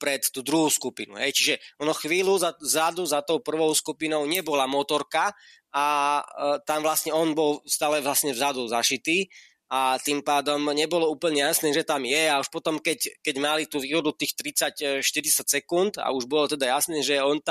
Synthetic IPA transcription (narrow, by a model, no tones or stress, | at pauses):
pɾɛt̪ːuːd̪ɾuɦuːskupinṵɦɛjt͡ʃiʒɛʔɔnɔxʋiːluzazad̪uzat̪ɔʊpr̩ʋɔʊskupinɔʊɲɛbɔlamɔːt̪ɔɾka | ʔa | t̪amʋlast̪ɲɛɔnbɔlst̪aːlɛʋlasɲɛvzad̪ɔzaʃit̪iː | at̪impaːd̪ɔmɲɛbɔlɔuːpl̩ɲɛjasnɛːʒɛt̪amjɛauʃpɔt̪ɔmkɛckɛɟmalit̪uːʋiːɦɔd̪ut̪iːxt̪ɾit͡sacʃt̪iɾit͡sacsɛkunt̪a̰uʒbɔlɔt̪ɛd̪ajasnɛːʒɛɔnt̪a